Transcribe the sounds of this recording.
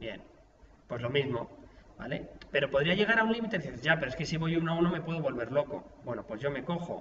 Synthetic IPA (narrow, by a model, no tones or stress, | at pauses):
bje̞̰n | pwe̞zlo̞mizmo̞ba̰le̞̰pe̞ɾo̞po̞ðɾiaʝe̞ɣaɾaunlimit̪e̞ðiθeezʝapeɾoeske̞siβo̞junaunome̞pwe̞ð̞o̞βo̞lβe̞ɾlo̞ko̞̰bwe̞no̞pwe̞zʝo̞me̞ko̞xo̰